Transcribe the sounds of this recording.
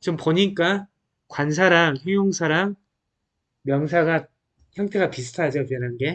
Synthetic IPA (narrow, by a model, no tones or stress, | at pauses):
t͡ɕompoɲik͈a | kwans̬ʰaɾaŋçjʌŋjoŋsʰaɾaŋ | mjʌŋs̬ʰaɡa | çjʌŋtʰe̞ɡapis̬ʰɯ̥tʰad͡ʑopjʌnanɡe̞